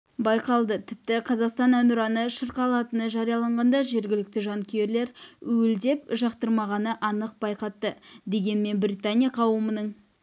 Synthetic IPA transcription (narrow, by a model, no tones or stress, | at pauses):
bɑjqɑlˠd̪ət̪ʰɪp̚t̪ɪqʰɑzɑqst̪ɑnænʊɾɑnəʃəɾqɑlˠɑt̪ənəʒɑɾijɑlˠɑɴʁɑnd̪ɑʒe̞ɾɡʲɪlɪk̚t̪ɪʒɑŋkʲʰeeɾle̞ɾʏld̪e̞p̚ʒɑqt̪əɾmɑʁɑnəʔɑnəq̚bɑjqɑt̪ːəd̪e̞ɡʲe̞nme̞nbrʲijt̪anʲijaqʰɑwəmənəɴ